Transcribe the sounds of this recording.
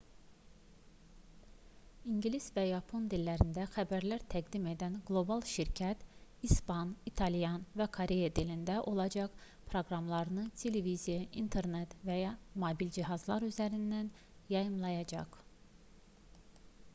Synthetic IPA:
iɲɟlisvæjɑpʰo̞nd̪ilːæɾind̪æxæbæɾlæɾt̪ʰæɡd̪ime̞d̪ænɡlˠo̞bɑlˠʃiɾcʰæt̪ispɑnit̪ʰɑlijɑnvækʰoɾe̞jɑd̪ilind̪æʔo̞lˠɑd͡ʒɑk | pʰɾo̞ɡɾɑmlˠɑɾɯnɯt̪ʰe̞levizijɑʔint̪ʰeɾnet̪væjɑmobild͡ʒiɦɑzlˠɑɾyzæɾind̪æn | jɑjɯmlˠɑjɑd͡ʒɑ̰q

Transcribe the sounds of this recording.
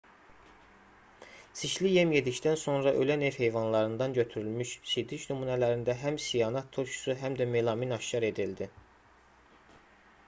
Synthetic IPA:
siʃlijemje̞d̪icd̪ænso̞nɾɑʔølænevhe̞jvɑnlˠɑɾɯnd̪ɑnɟø̞t̪ʰyɾylmyʃsid̪iʃnumunælæɾind̪æɦæmsijɑːnɑt̪ʰːoʃʰu̥suɦæmd̪æmelˠɑminɑʃːɑɾe̞d̪ild̪i

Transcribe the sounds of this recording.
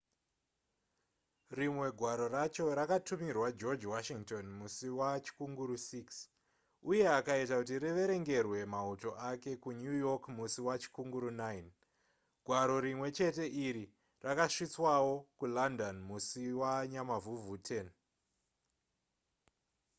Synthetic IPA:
rimwe̞ɡʱwaɾo̞ɾat͡ʃo̞ɾakatumirwad͡ʒo̞d͡ʒwaʃiŋto̞nmusiwat͡ʃi̥kuŋɡuɾusiks | uje̞akaitakut̬iriʋeɾe̞ŋɡe̞rwe̞mauto̞ʔake̞kunujo̞kmusiwat͡ʃi̥kuŋɡuɾunain | ɡʱwaɾo̞ɾimwe̞t͡ʃe̞te̞ʔiɾi | rakaʂit͡swawo̞kulandonmusiwaɲamavuvutʰen

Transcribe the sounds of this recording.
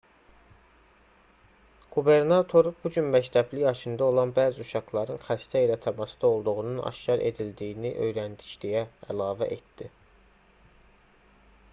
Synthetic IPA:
ɡ̥ube̞ɾnɑt̪ʰo̞ɾb̥ud͡ʒynbæçt̪ʰæblijɑʃɯnd̪ɑo̞lˠɑnbæːziuʃɑɡlˠɑɾɯnxæʃt̪ʰæilæt̪ʰæmɑsd̪ɑo̞lˠd̪uɣununʔɑ̰ʃcɑɾʔe̞̰d̪ild̪iiniʔø̞jɾænd̪i̥ʃd̪ijæælɑːvæʔet̪d̪̥i

